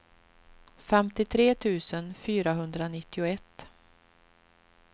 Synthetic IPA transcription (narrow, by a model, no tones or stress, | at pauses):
fɛmt̪ɪt̪ʰɾeːt̪ʰʉ̟ːsənfyːɾaɦɵnd̪ɾanɪt̪ːɪʊɛt̪ː